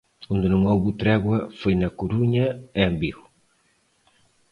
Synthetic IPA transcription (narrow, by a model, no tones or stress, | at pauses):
und̪ɪnũŋowβut̪ɾɛɣwɐfojnɐkoɾuɲɐɛmbiɣu